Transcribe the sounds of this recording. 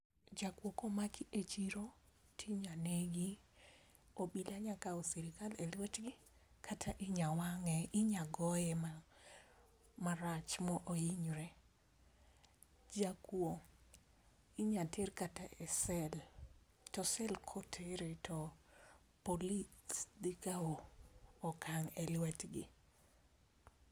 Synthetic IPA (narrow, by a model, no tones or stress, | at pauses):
d͡ʒakwokomakiet͡ʃiɾo | tʰiɲaneɡi | obilaɲakaosiɾikalelwet͡ʃɡɪ | kʰatʰaʔɪɲawaŋɛʔɪɲaɡɔjɛma | maɾat͡ʃmɔʔoiɲɾɛ | d͡ʒakwo | ɪɲatʰerkataʔɛsɛl | tɔsɛlkʰotʰeɾetʰɔ | polidikaoː | kaŋɛlwɛtɡɪ̰